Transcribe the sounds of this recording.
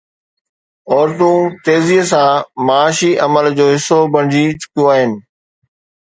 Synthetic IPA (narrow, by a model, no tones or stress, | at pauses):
ɔːɾt̪ũt̪eːziːsãmɐːʃiʔɐməld͡ʑoːɦɪsːobɐɳ̃d͡ʑit͡ɕʊ̥kijõaːɦɪnɪ̆